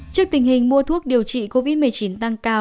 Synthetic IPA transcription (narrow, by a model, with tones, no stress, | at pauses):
t͡ɕɨ˦˥ək̚t̪ï˨˩ŋ̟ɦï˨˩ŋ̟mu˧ət̪ʰu˦˥ək̚ɗi˨˩əwt͡ɕḭ˧˨ko˧vi˦˥t̚mɨ˨˩ə˩jt͡ɕi˨˦nt̪a˧ŋkaː˧